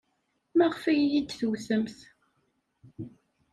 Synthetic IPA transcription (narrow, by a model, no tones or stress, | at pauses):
mæʁfæjjid̪θuwθəmθ